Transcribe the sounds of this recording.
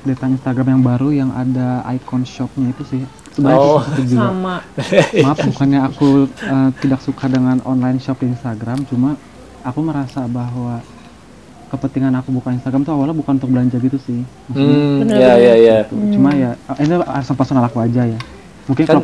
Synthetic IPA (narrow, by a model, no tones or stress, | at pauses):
dat̪ainst̪aɡɾamjaŋbaɾujaŋʔa̰daa̰jkɔnʃɔp̚ɲait̪usɪh | səbaasat̪ud͡ʒuɡaɡamamapmukanɲaːkuəːt̪idaksukadəŋanɔ̰nlajnʃɔp̚dainst̪aɡɾamt͡ʃumaː | kuməɾasabaɦwa | kəpənt̪iŋanakubukaninst̪aɡɾamt̪uawalːabukanunt̪ʊk̚bəlaɲd͡ʒaɡit̪usɪhmukənajajat̪ut͡ʃumajainuaɾsanpərsonalakuad͡ʒaja | muŋkɪɲaa